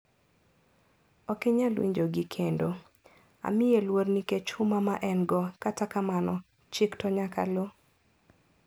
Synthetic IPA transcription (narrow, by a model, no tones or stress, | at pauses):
ɔkeɲalwḭɲd͡ʒoɡikʰendo | a̰mɪjelwoɾniket͡ʃʊmamaʔɛnɡɔkatakamanɔ | t͡ʃɪktɔɲaka̰lo